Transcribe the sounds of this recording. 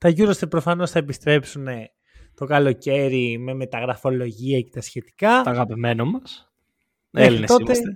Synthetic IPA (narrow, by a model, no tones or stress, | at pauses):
t̪ɐʝuɾost̪epɾo̞fɐno̞sθɐepist̪ɾe̞psune̞ | t̪o̞kɐlo̞ce̞ɾime̞me̞t̪ɐɣɾɐfo̞lo̞ʝiɐce̞t̪ɐsçe̞t̪i̥kɐɐɣɐpime̞nomɐs | elinet̪o̞t̪e